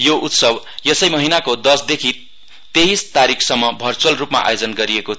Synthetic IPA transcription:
joʔut̪sʌb | jʌsʌjmʌɦinakod̪ʌsd̪ekʰi | t̪eɦist̪aɾikʰsʌmːʌbʱʌrt͡sʌlrupma̰ʔa̰jod͡zʌnɡʌɾieko

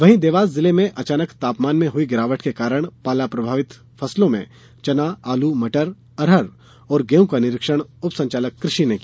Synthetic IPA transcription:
ʋɐɦĩd̪eːʋaːzːɪlemẽʔɐt͡ʃaːnəkt̪aːpmaːnmẽɦʊiɡɪɾaːʋəʈkekaːɾəɽ̃paːlapɾɐbʱaːʋɪt̪ | fʰɐslõmḛ̃ | t͡ʃɐnaaːlumɐʈəɾ | ɐɾɦəɾ | ɔːɾɡeːũkanɪɾɪkʃəɽ̃ʊpsɐ̃ɲt͡ʃaːləkːɾɪʃineki

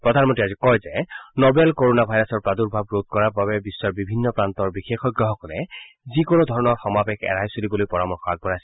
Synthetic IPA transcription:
pɹɔd̪ʱanmɔteazikɔjzɛnobɛlkoɹonabʱajɹasɔɹpaduɹbʱabɹot̪̚kɔɹaɹbabɛbisːɔɹbibʱinːɔpɹant̪ɔɹbixexɔjɡɹɔɦɔkɔlɛ | zikonod̪ʱɔɹɔnɔɹxɔmabɛkɛ̰ɹajsulibolojpɔɹamɔɹxɔaɡ̚bɔɹajs

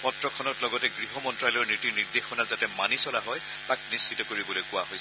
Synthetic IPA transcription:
pɔtɹɔkʰɔnɔtlɔɡɔtɛɡɹiɦɔmɔntɹajlɔɹnitiniɹdexɔnazatɛmanisɔlaɦɔj | tak̚nist͡ʃʰitɔkoɹibɔlojkʊwaɦojs

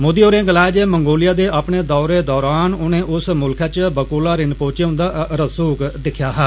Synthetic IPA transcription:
moːd̪ioːɾẽːɡəlaːd͡ʒeːməŋɡoːlɪjaːd̪eːʔaːpɳeːd̪ɔːɾeːd̪ɔːɾaːnʊnẽːʔʊsmʊlkʰaːt͡ʃbəkoːlaːɾɪnpõːt͡ʃeʊ̃nd̪aːɾəsuːkd̪ɪkʰjaːɦɛː

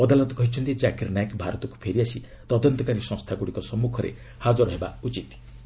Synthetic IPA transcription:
ɔd̪alɔt̪ɔkɔɦit͡ʃʰɔnt̪id͡ʒakeɾnajekbʱaɾɔt̪ɔku̥pʰeɾiasi | t̪ɔd̪ɔnt̪ɔkaɾisɔ̃ŋst̪ʰaɡuɽikɔsɔmukʰɔɾḛ | had͡ʒɔɾɔɦeba̰ut͡ʃit̪

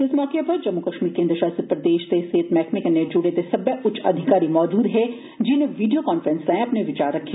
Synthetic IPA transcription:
ɪsmɔːkepɐɾd͡ʒɐmːukɐʃmiːɾkẽːnd̪ɾəʃaːst̪ɾpɾɐd̪eːʃt̪eseːt̪mɛːkmɪkɐnːed͡ʒuɽed̪esɐbjəʔʊtːt͡ʃʰɐ̰d̪ʱɪkaːɾimɔːd͡ʒuːd̪ɦɛ | d͡ʒɪneʋiːɖijokaːnfɾə̃nslãẽɐpneʋɪt͡ʃaːɾːɐkʰː

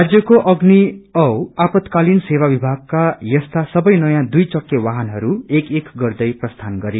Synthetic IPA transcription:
ad͡zjʌkoʔʌɡniʌwapʌt̪kalinsewabibʱaɡ̚kajʌst̪ʰasʌbʌjnʌjãd̪ujt͡sʌkjʌwaɦanɦʌɾuekekɡʌrd̪ʌjprʌst̪ʰanɡʌɾe

